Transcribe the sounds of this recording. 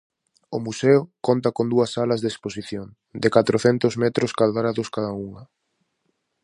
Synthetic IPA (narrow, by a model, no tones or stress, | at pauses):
ʊmuseʊkont̪ɐkond̪uɐsalɐzðeksposiθjoŋ | d̪ekat̪ɾoθɛnt̪ʊzmɛt̪ɾʊskalðɾaðʊskaðɐuŋɐ